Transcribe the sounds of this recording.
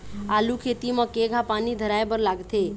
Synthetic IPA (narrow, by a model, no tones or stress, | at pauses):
alukʰet̪imə̃keɡʱapanid̪ʱəɾajbəɾlaɡt̪ʰe